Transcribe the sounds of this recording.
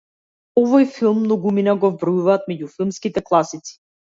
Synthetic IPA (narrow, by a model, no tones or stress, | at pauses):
ɔvɔjfilˠmːnɔɡuminaɡɔvbɾɔjuvaːt̪mɛɟufilˠmskit̪ɛklˠasit̪si̥